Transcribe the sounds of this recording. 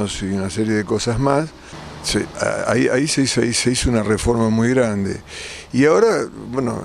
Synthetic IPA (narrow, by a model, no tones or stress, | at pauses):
osiunaseɾje̞ðeko̞sazmas | sḛa̰a̰ia̰iseisiseisounarefo̞ɾmamujɣɾand̪e̞̰ | iao̞ɾabweno̰